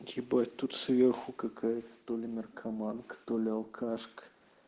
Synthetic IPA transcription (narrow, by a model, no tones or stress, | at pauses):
ɡʲibajʲt̪ːut̪svʲerxukɐkʰajɛt̪st̪olʲɪmʲɪrkʰɐmankt̪olʲɪɐlˠkʰaʂk